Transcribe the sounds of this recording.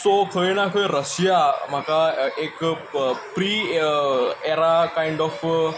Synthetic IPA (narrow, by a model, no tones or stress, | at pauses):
sokʰəjnakʰəjɾəsjam̤akaek | pɾi | eɾakajɪɳɖɔf